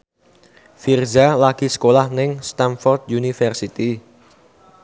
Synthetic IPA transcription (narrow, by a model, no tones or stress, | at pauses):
firzalaɡ̥isə̥kolahnɪŋst̪anfɔrd̪junifɛrsit̪i